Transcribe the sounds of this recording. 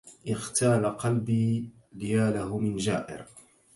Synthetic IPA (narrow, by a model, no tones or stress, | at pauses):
ʔɪxt̪aːlaqɑlbiː | lɪjaːlahʊmɪnd͡ʒaːʔɪ̰ɾ